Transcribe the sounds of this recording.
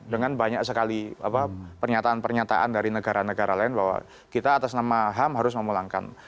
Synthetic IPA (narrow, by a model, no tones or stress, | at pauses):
dəŋanbaɲak̚səkalia̰papərɲat̪aːnpərɲat̪a̰ʔandaɾinəɡaɾanəɡaɾalaɪnbaɦwa̰ | kit̪aːt̪asnamaɦamɦaɾʊs̬məmulaŋka̰n